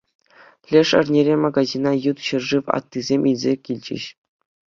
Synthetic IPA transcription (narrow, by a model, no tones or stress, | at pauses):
lʲeʂɘ̰̆rnʲeɾʲemɑɡazʲinɑjut̪ɕɤ̆rʐɨʋɑ̰t̪ːɯzʲemʲʔilʲzʲekʲilʲd͡ʑɘ̰̆ɕ